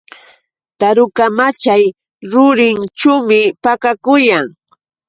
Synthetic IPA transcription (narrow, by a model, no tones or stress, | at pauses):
t̪aɾʊkamat͡ʃaj | ɾʊɾɪnt͡ʃawmɪpakakʊjaŋ